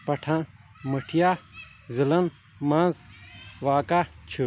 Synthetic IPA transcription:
pɐʈʰãː | məʈʰija | zilɐn | mãːzʋaːkat͡ʃʰu

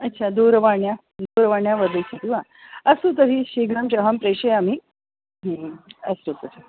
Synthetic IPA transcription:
ɐtːɕʰad̪uːɾʋaɳja | d̪uːɾʋaɳjaʋəɾd̪ət͡ɕʰit̪iʋa | ɐsut̪əɦiɕiɡəmt͡ʃɐɦəmpɾeɕɐjami | əst̪ut̪əɾi

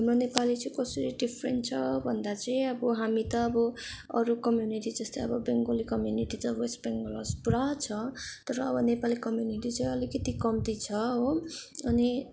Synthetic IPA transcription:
ɦʌmrʌnepalit͡sʌ̃ĩkʌsʌɾiɖipʰrḛnʈt͡sʰʌbʱʌnd̪at͡sʌĩʌbʌɦamit̪ʌːbʌʌɾukʌmjuniʈid͡zʌst̪ʌjʌbʌbeŋɡolikʌmjuniʈit̪ʌʌbʌesbeŋɡolʌ̰spuɾat͡sʰʌt̪ʌɾʌːbʌnepalikʌmjuniʈit͡saĩʌlikʌt̪ikʌmt̪it͡sʰʌɦoʌni

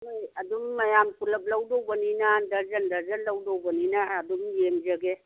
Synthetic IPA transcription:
majɐdumːɐjamkulɐp̚lawdowbəninandɐzɐndɐzɐnlːawdowbɐninaːdumjemd͡ʒɐɡe

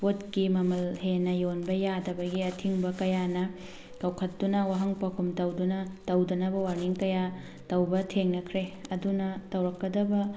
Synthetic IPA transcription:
potkimɐmɐlhenɐjonbɐjadɐbɐɡiɐtʰiŋbɐkɐjanɐ | kɐwkʰɐtːunɐwaɦɐŋpɐkʰumtɐwdunɐtɐwdɐnɐbɐwaɾniŋkɐja | tɐwbɐtʰeŋnɐkʰɾeɐdunɐtɐwɾɐkːɐdɐbɐ

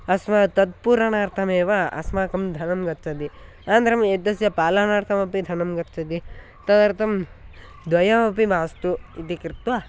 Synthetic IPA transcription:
ɐsmɐt̪ɐd̪̚puːɾɐɳaːɾt̪ʰɐmeːʋɐɐ̰smaːkɐmd̪ʱɐnɐmɡɐtt͡ʃʰɐd̪i | aːnd̪ɾɐmed̪ɐsjɐpaːlɐnaːʈkʰɐmɐpid̪ʱɐnɐmɡɐt̪ːt͡ʃʰɐd̪i | t̪ɐd̪ɐɾt̪ʰɐm | d̪ʋɐjɐmɐp̬imaːst̪uit̪ikɾit̪ʋa

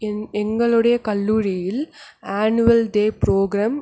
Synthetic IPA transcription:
ɛŋɡɐɭɯɽɐjɐkɐlːuːɻijɪlaːnuʋɐlɖeːpɾoːɡɾaːm

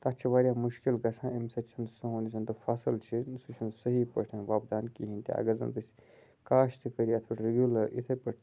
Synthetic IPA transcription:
t̪ɐt͡ʃʰiʋaːɾʲjaːmuʃkilɡɐsʰãːimsɐt͡ʃʰunsɐɦonisʰɐnt̪ofɐsɨlt͡ʃʰisut͡ʃʰunsəɦipɐʈʰɐ̃nʋaːbd̪aːnkiɦinʲt̪ia̰ɡɐzɐ̰nt̪ɨs | kaːʃt̪ʰikəɾiɐt̪ʰpʰɐʈɾeɡʲjulɐɾḭt̪ʰɐpəʈʰ

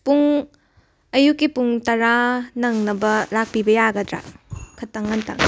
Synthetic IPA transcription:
puŋ | ɐjukːipuŋtɐɾanɐŋnɐbɐlak̚pibɐjaɡɐdɾa̰kʰɐtːɐŋɐntɐ̰ŋ

